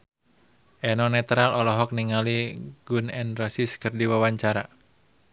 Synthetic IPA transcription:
ʔɛnɔnɛt̪ɾalɔlɔɦɔk̚niŋaliɡunɛnrɔsiskɨrdiwawaɲt͡ʃaɾa̰

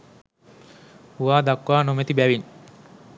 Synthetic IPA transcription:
uʋaːd̪akːʋaːnomet̪ibæʋiɲ

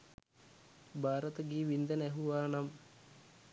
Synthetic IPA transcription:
bʱaːɾɐt̪ɐɡiːʋind̪ɐneɦuʋaːɳɐm

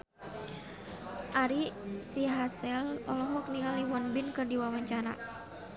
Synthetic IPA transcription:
ʔaɾisiɦasɛlɔlɔɦɔk̚niŋaliwɔnbinkɨrdiwawaɲt͡ʃana̰

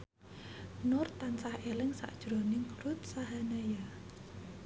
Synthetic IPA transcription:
nʊrt̪ːansahelɪŋsa̰ʔd̥ʒ̥ɾɔnɪŋrʊt̪̚saɦanaja

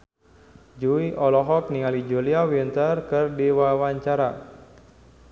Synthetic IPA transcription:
d͡ʒuiʔɔlɔɦɔk̚niŋalid͡ʒuliawint̪ərkərdiwawaɲt͡ʃaɾa

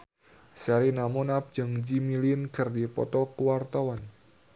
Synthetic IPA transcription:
saɾinamɔnap̚d͡ʒɨŋd͡ʒimilinkɨrdipɔ̰t̪ɔkuwart̪awan

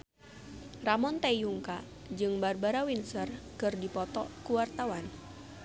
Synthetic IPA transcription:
ramɔnt̪ajuŋka | d͡ʒɨŋbarbaɾawinsərkɨrdipɔt̪ɔ̰kuwart̪awan

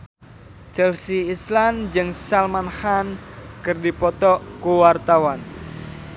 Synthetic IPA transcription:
t͡ʃɛlsiːsland͡ʒɨŋsalmanhankɨrdipɔt̪ɔʔkuwart̪awan

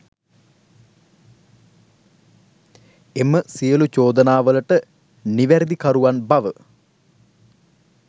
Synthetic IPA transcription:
emːəsijɐlut͡ʃoːd̪ɐnaːʋəlɐʈə | niʋæɾd̪ikɐɾuʋanbɐʋə

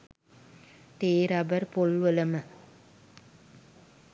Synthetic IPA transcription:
t̪eːɾabəɾpolʋələmə

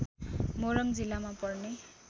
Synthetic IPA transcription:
moɾʌŋd͡zilːamapʌrne

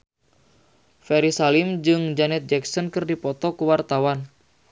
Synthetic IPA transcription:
fɛɾisalimd͡ʒɨŋd͡ʒanɛt̪̚d͡ʒɛksɔnkɨrdipɔt̪ɔkuwart̪awan

